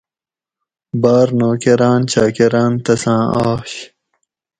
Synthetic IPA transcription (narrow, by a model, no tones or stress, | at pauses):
baːɾnoːkeɾãːnt͡ɕaːkeɾaːnt̪ɐsãːaːɕ